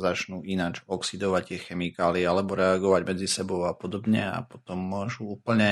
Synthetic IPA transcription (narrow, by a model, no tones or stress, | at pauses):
zat͡ʃnuːinad͡ʒɔksid̪ɔʋact̪ɪɛxɛmikaːliɛalɛbɔɾɛaɡɔʋaɟmɛd͡zisɛbɔʊapɔd̪ɔbɲɛa̰pɔt̪ɔmːʊɔʒuuːpl̩ɲɛ